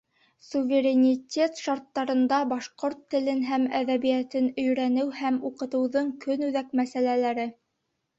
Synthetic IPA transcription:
suvʲeɾʲenʲitʲe̞t̪ʃɑɾt̪ːɑɾɤ̆nd̪ɑbɑʃqoɾt̪ːɘ̆lɘnɦæmæðæβijæt̪ɘnɵ̆jɾænɘwhæmuqɤ̆t̪ɤ̆wðɤɴkɵnʉðækmæsælælæɾɘ

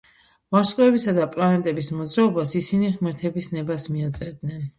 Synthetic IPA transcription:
maɾsʼqʼɔɛbisad̪apʼlanɛt̪ʼɛbismɔd̪zɾaɔbasisiniʁmɛɾt̪ʰɛbisnɛbasmiat̪sʼɛd̪nɛn

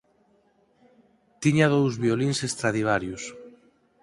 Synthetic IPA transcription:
t̪iɲað̞owzβioliŋsest̪ɾaðiβ̞aɾjʊs

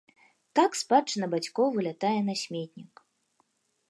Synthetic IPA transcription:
t̪akspat͡ʂɨnɐbat͡sʲkɔvɨlʲat̪ajɛnɐsʲmʲet̪̚ʲnʲik

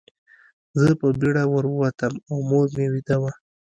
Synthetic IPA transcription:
zəpəbiɽawəɾwəwat̪əmawmoɾmewid̪awa

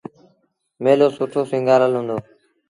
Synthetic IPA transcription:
meːloːsʊʈʰoːsɪ̃ŋɡaːləlɦũːnd̪oː

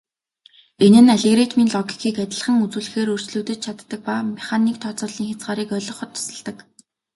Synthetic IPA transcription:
enɘ̆naɮeɣrit̪ʰmiːnɮɔɡi̥kʰiːkæt̪ʲɪ̆ɮχə̆ŋut͡sŭːɮɘ̆xeːɾɵr̥t͡ɕɮuːt̪ɘ̆t͡ɕ̪̚t͡ɕʰat̪ːə̆k̚pamiχaniːk̚t̪ʰɔːt͡sɔ̆ːɮiːŋxat͡sʁaːɾiːkœɮɞ̆χʊ̆t̪ʰːɔ̥sə̆ɮt̪ə̆k

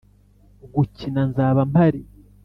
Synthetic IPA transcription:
ɡucinanzaːβampaɾi

